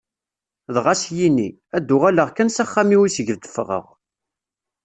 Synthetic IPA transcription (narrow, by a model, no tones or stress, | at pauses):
ðʁasjini | æd̪ːʊʁaləʁkænsæχːæmiwisəʝəvd̪ə̥fʁə̰ʁ